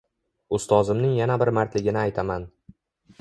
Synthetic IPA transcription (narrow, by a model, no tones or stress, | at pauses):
ʊst̪ʰɒzɪmnɪŋjanabɪɾmaɾt̪ʰlɪɡʲɪnɪajt̪ʰaman